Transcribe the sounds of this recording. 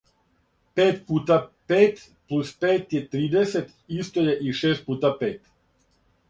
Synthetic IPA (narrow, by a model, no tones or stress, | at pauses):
peːt̪̚puːt̪apeːt̪ | plˠuspeːt̪jet̪ɾiːd̪e̞set̪ | ist̪ojeʔiʃeːst̪̚puːt̪apeːt̪